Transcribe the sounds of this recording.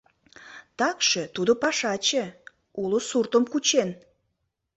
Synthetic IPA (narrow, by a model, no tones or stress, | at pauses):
t̪ɑkʃə̆t̪ud̪opɑʃɑt͡ɕə | uləsurt̪əmkut͡ɕen